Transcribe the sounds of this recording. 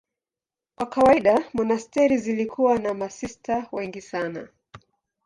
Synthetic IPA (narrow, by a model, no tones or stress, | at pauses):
kwakawaiɗamɔnastɛɾizilikʰuwanamasistawɛŋɡisana̰